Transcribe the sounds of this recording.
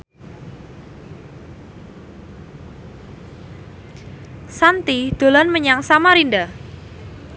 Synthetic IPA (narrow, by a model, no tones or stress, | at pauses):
sant̪id̪̥o̤lanməɲaŋsamaɾinda